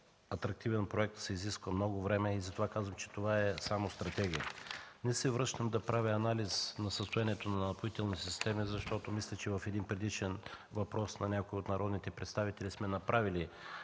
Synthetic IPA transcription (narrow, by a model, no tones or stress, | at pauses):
ɐt̪ɾɐk̚t̪ivɛnpɾoɛk̚t̪sɛiziskvəmnɔɡʊvɾɛmɛizɐt̪ovakazvəmt͡ʃɛ̥t̪ovaɛsamost̪ɾɐt̪ɛɡʲiə̰nɛsɛvɾɤʃnəmd̪ɐpɾaviɐnaliznɐsəst̪ojaniɛt̪onɐnpoit̪ɛlˠnisist̪ɛmizɐʃt̪ɔt̪omislʲɛt͡ʃɛvɐfɛd̪inpɾɛd̪it͡ʃɛnvɐpɾɔsnɐnʲakoiot̪nɐɾɔd̪nit̪ɛpɾɛt̪st̪avit̪ɛlismɛnɐpɾʔavili